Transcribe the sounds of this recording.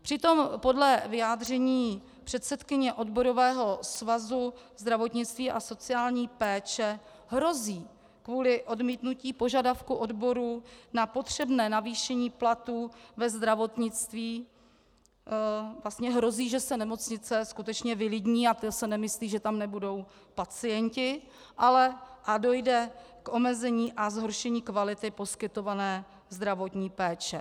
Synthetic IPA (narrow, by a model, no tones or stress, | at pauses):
pr̥ɪt̪o̞mpo̞dlɛvɪjaːd̪r̝ɛɲiː | pr̥ɛt̪sɛt̪kɪɲɛʔo̞dbo̞ɾo̞vɛːɦo̞svazu | zd̪ɾavo̞t̪ɲɪt͡st̪viːʔaso̞t͡sɪaːlɲiːpɛːt͡ʃɛ | ɦɾo̞ziː | kvuːlɪʔo̞dmiːt̪nuciːpo̞ʒadafkuʔo̞dbo̞ɾunapo̞t̪r̝̥ɛbnɛːnaviːʃɛɲiːplat̪uːvɛzd̪ɾavo̞t̪ɲɪt͡st̪viː | vlast̪ɲɛɦɾo̞ziːʒɛsɛnɛmo̞t͡sɲɪt͡sɛskut̪ɛt͡ʃɲɛvɪlɪɟɲiːat̪sɛnɛmɪsliːʒɛt̪amnɛbudo̞w | pat͡sɪjɛɲcɪ | ʔalɛʔado̞jdɛ | kʔo̞mɛzɛɲiːʔazɦo̞ɾʃɛɲiːkvalɪt̪ɪpo̞skɪt̪o̞vanɛː | zd̪ɾavo̞t̪ɲiːpɛːt͡ʃɛ